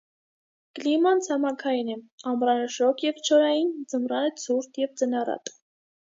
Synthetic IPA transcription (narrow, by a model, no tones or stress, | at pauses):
klimɑnt͡sʰɑmɑkʰɑjinɛɑmrɑnəʃɔkʰjɛvt͡ʃʰɔɾɑjind͡zəmrɑnət͡sʰuɾt̪jɛvd͡zənɑrɑ̰t̪ʼ